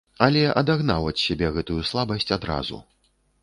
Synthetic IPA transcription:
ɐlʲɛʔɐd̪aɣnawɐt͡sʲsʲabʲɛɣɛt̪ujuslˠabɐsʲt͡sʲad̪ɾa̰zṵ

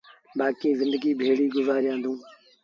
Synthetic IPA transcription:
baːkĩːzɪ̃nd̪əɡiːbʱeːɽiːɡʊzaːɾɪjãːnd̪ʱũː

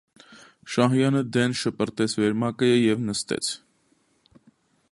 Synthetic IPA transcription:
ʃɑɦjɑnəd̪ɛnʃəpəɾt̪ɛt͡sʰvɛɾmɑkəjəjɛvnəst̪ɛ̰t͡sʰ

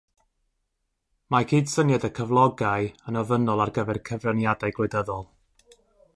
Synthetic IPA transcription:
makʰiːd̥sənjadəkʰəvlˠɔɡaɨənɔvənɔlˠarɡəvɛrkʰəvrənjadajɡlɨdəðɔlˠ

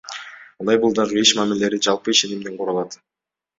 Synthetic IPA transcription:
ɑɑjbɯlˠd̪ɑʁɯiʃmamilele̞ɾid͡ʒɑlˠpɯiʃe̞nimd̪eɴqʰuɾɑlˠɑt̪

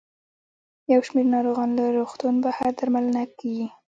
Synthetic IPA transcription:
jawʃmeɾnɑɾoɣɑnlaɾoxt̪unbahaɾd̪aɾmalənakawi

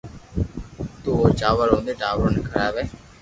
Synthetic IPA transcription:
t̪uːoːt͡ʃaːʋəɾɦõːnd̪eːʈaːʋəɾnːkʰəɽaːʋeː

